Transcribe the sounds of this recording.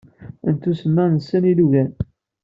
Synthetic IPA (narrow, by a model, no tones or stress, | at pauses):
ənt̪usəmːænəsːæniluʝæn